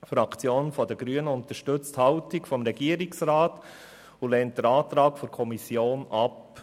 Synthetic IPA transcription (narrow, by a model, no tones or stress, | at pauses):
fɾɑkt͡sjoːnfɔd̥əɡ̥ɾyənəʊnt̪əʃtɵt͡sthɑʊtɪkfɔmɾɛɡiəɾɪksɾɑːt | ulɛnt̚d̥əɾɑːt̪ɾɑːkfɔɾkʰɔmisjoːnɑp